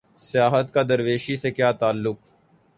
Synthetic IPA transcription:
sɪjaːɦət̪kad̪əɾʋeːʃisekjaːt̪aːlːʊk̚

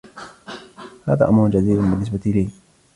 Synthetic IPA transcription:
ha̰ːða̰ːʔamɾʊnd͡ʒad̪iːbʊnbɪnːɪs̬bat̪ʔɪliː

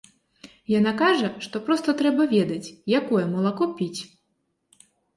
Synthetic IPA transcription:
janakaʐɐʂt̪ɔpɾɔst̪ɐt̪ɾɛbɐvʲɛd̪ɐt͡sʲjakɔjɛmɐlˠakɔpʲit͡sʲ

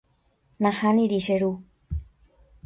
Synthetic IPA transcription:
nãhanĩɾiʃeɾu

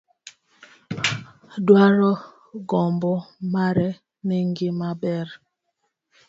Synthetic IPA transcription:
dwaɾɔ | ɡɔmbɔmaɾɛ | mɛŋɡimabɛɾ

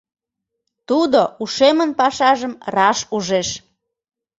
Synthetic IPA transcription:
t̪ud̪ouʃemənpɑʃɑʒəmrɑʃuʒeʃ

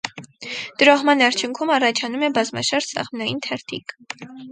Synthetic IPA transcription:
d̪̥əɾɔhmɑnɑɾt͡ʃʰjuŋkʰumɑrɑt͡ʃʰɑnumɛbɑzmɑ̰ʃɑɾsɑ̰ʁmnɑjint̪ʰɛɾt̪ʰḭk

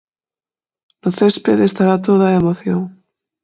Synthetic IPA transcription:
noθespeðest̪aɾat̪̬oðaemoθjoŋ

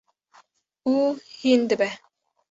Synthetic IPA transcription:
uːhind̪ɨbɛ

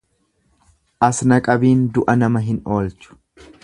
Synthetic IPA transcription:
ʔɐsnɐkʼɐbiːnd̪ʊʔɐnɐmɐɦɪno̞ːlt͡ʃʊ̥

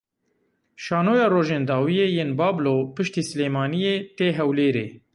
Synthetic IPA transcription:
ʃɑːnoːjɑːɾoːʒeːnd̪ɑːwijeːjeːnbɑːbloːpɨʃt̪iːsɨleːmɑːnijeːt̪eːɦɛwleːɾeː

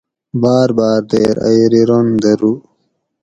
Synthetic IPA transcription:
baːɾbaːɾd̪eːɾa̰jɾiɾond̪ɐɾu

